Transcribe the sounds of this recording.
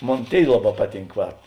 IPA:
ˈmoːn ˈtʲeːɪ ˈlˠɑːˌbɑː ˈpɑːˌtʲiːŋk ˈʋɐt

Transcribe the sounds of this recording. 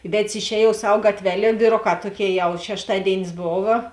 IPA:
ˈʋʲɛtˈs ɪʃʲˈɛːjuɔw ˈsɐw ˈɡɑːtʲʋʲɛˌlʲeː ʋʲiːˈroːˌkɑː ˈtuɔˌkʲeːɪ jɛʊ ʃʲɛʃˈtɑːdʲeːɪnʲɪs ˈboːʋɐ

